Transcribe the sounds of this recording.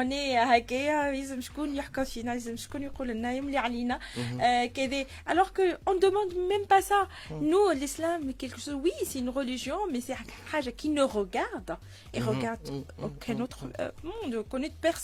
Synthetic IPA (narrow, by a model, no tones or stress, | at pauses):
ɔ̃neɦakejaizəmʃkunjəħkɑ̃finaizəmʃkuniqulənːajəmleʕalina | ked̪e | alɔʁkəɔ̃d̪əmɑ̃d̪mɛmpasa | nulislamekɛlkəʃozwisɛynʁəliʒjɔ̃mɛsɛħaʒakinəʁəɡaʁd̪ | eʁəɡaʁd̪okʰɛ̃not̪χmɔ̃d̪kɔ̃net̪pɛʁs